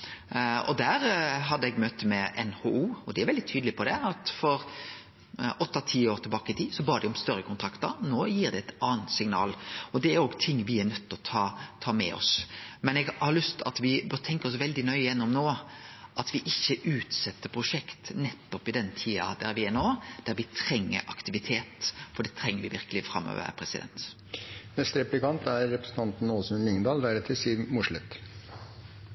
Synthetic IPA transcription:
ɔ̰d̪æɾɦɑd̪ːəɛɡmœt̪əmɛʔɛ̰nhoːuːɔd̪ɛæɾʋɛld̪ɪt̪ʰyːd̪lɪpʰɔd̪ɛɑt̪fɔɾ | ʔɔt̪ːɑt̪ʰiːoːɾt̪ɪlbɑːkəɪt̪ʰiːsɔbɑːɾd̪ɪɔmst̪œɾəkʰʊnt̪ʰɾɑkt̪əɾnoːjiːɾd̪ɛɛt̪ɑːnt̪sɪŋnɑ̰ːlɔd̪ɛæɾoːɡt̪ʰɪŋːʋɪæɾnœt̪ːɔt̪ʰɑːt̪ʰɑːmɛ̰ɔ̰smɛnɛɡhɑɾlʏst̪ɑ̰t̪ʋɪbt̪ʰɛŋkəɾɔsʋɛld̪ɪnœʏɪjɛnːɔmnoːʔɑt̪ʋɪʔɪçːəʔʉːt̪sɛt̪ːəpʰɾʊʂɛkt̪nɛt̪ːɔpɪd̪ɛnːt̪ʰiːɑ̰d̪æɾʋɪɛnoːd̪̥æɾʋɪt̪ʰɾɛŋːə̰ɾʔɑkt̪ɪʋɪt̪ʰeːt̪fɔɖɛt̪ʰɾɛŋːəɾʋɪʋɪɾkəlɪfɾɑ̰mːø̰ːʋə̰ɾpʰɾɛsɪd̪ɛ̰nt̪ | nɛst̪əɾɛplɪkɑnt̪æɾːɛpɾəsn̩t̪ʰɑnt̪n̩oːsənnlɪŋnd̪ɑːld̪æɾɛt̪ʰɪsiːɾmʊʂɭət̪

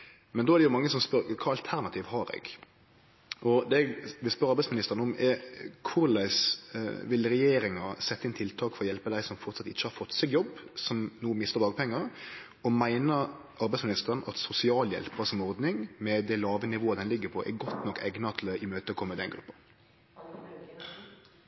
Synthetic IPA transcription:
mɛnd̪oːæɾd̪ɛjʊmɑŋːəsɔmspœɾkʰɑːɑlt̪ʰæɾnɑt̪ʰiːʋhɑɾɛ̰ɡ | ʔɔd̪ɛʋɪspœɾɑɾbæsmɪnɪst̪əɾənəɔmɛkʰʊɾlæɪsʋɪlɾɛjeːɾɪŋɑsɛt̪ːəɪnt̪ʰɪlt̪ʰɑːkfɔɾɔjɛlpəd̪æɪsɔmfɔɾt̪sɑt̪ɪçːəhɑɾfɔt̪ːsɛɡjɔbːsɔmnuːəmɪst̪əʁd̪ɑːɡpʰɛŋːəɾ | ɔmæɪnə | ʔɑɾbæɪsmɪnɪst̪əɾənɑ̰t̪sʊsɪɑːljɛ̰lpəsɔmɔɾd̪nɪŋmɛd̪æɪlɑːʋənɪʋoːəd̪ɛnlɪɡːəpʰɔʔɛ̰ɾɡɔt̪nɔkːɛɡnɑt̪ʰləʔɪmøːt̪əɔkʰɔmːəd̪ɛnɡɾʉpːə

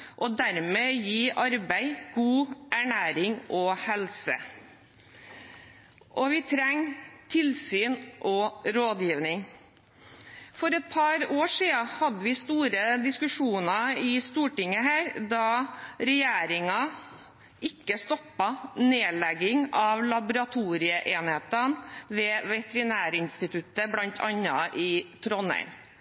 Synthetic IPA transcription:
ʔɔd̪æɾmejiːʔɑɾbæɪɡ̥uːʔæɳæːɾɪŋɔhɛlsə̰ | ʔɔʋɪt̪ʰɾɛŋːt̪ʰɪlsyːnʔɔɾoːd̪jiːʋnɪŋ | fɔɾɛt̪̚pʰɑɾoːʂiːɑhɑd̪ːəʋɪst̪uːɾəd̪ɪskʉʂuːnɑɪst̪uːʈɪŋːəɦæːɾd̪ɑɾɛjeːɾɪŋɑ | ʔɪkːəst̪ɔpːɑneːlɛɡɪŋɑʋlɑbʊɾɑt̪ʰuːɾɪəʔeːnheːt̪ənʋɛːʋɛt̪əɾɪnæːɾɪnst̪ɪt̪ʰʉt̪ːəblɑnt̪ʰɑ̰nːɑʔɪt̪ʰɾɔnɛ̰ɪm

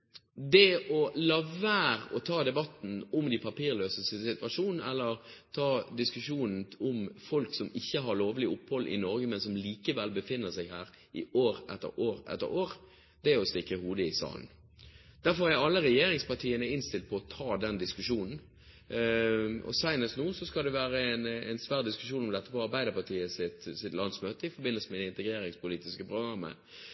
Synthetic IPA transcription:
d̪ɛɔlɑʋæːɾɔt̪ʰɑːd̪ɛbɑt̪n̩ʊmd̪ɪpʰɑpiːɾløːsəsəsɪt̪ʋɑʂuːnn̩ɛ̰lːəʁ | t̪ʰɑːd̪ɪskʉʂuːnn̩ʊmfɔlksɔmɪçːəɦɑɾɭoːʋəlɪʊphɔlːʔɪ̰nɔɾɡəmɛnsɔmliːkəʋɛlbəfɪnːəsæɪɡhæːɾ | ɪoːɾʔɛt̪ːə̰ɾoːɾʔɛ̰t̪ːə̰ɾoːɾ | d̪̥ɛæɔst̪ɪkːəhuːd̪əɪsɑ̰ːln̩ | d̪̥æɾfɔʁæɾɑlːəɾɛjeːɾɪŋspɑʁtʰiːənəɪnst̪ɪlt̪̚pʰɔɔt̪ʰɑːd̪ɛnd̪ɪskʉʂuːnn̩ | ɔ̰sæɪnəst̪nuːsɔskɑld̪ɛʋæːɾəɛnɛ̰nsʋæːʁd̪ɪskʉʂuːnɔmd̪ɛt̪ːəpɔɑɾbæɪd̪əpɑt̪ʰiːəsɪt̪sɪt̪lɑnsmøːt̪əɪfɔɾbɪnəlsəmɛd̪ɛɪnt̪əɡɾeːɾɪŋspʊliːt̪ɪskəpʁʊɡɾɑmːə̰

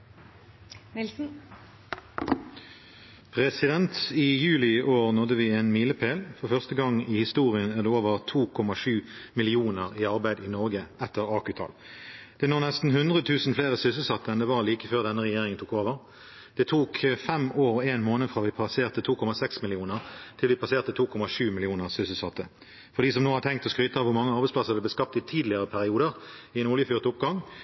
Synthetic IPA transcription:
nɪl̩ | pʰʁɛsɪd̪ɛnt̪ɪjʉːlɪʔoːʁnɔd̪əʋieːnmiːləpʰeːlfɔʁfœʁst̪əɡɑŋihɪst̪uːʁɪənæːʁd̪eːoːʋəʁt̪ʰuːkʰɔmɑʂʉːmɪlɪuːnəʁiːɑʁbæɪd̪inɔʁɡəɛt̪ːəʁɑːkʉt̪ʰɑ̰ːld̪̥ɛnoːnɛst̪n̩hʉnd̪ʁət̪ʰʉːsn̩fleːʁəsʏsəl̩sɑt̪ːəɛnd̪ɛʋɑʁliːkəføːʁd̪ɛnəʁɛjeːʁɪŋənt̪ʰuːkoːʋəʁ | d̪̥ɛt̪ʰuːkʰfɛmoːʁɔeːnmoːnəfʁɑːʋɪpʰɑseːʁt̪ət̪ʰuːkʰɔmɑsɛksmɪlɪuːnəʁt̪ʰɪlʋɪpʰɑseːʁt̪ət̪ʰuːkʰɔmɑʂʉːmɪlɪuːnəʁsʏsəl̩sɑt̪ːə | fɔʁdɖiːs̬ɔmnoːhɑʁt̪ʰɛŋk̚t̪ɔskʁyːt̪ɑʋʊʁmɑŋːəɑʁbɛɪsplɑsəʁd̪ɛb̪əskɑp̚t̪ɪt̪ʰiːd̪lɪəʁəpʰæʁɪuːd̪əʁɪɛnʊljəfyːʁt̪ʊp̚ɡɑŋ

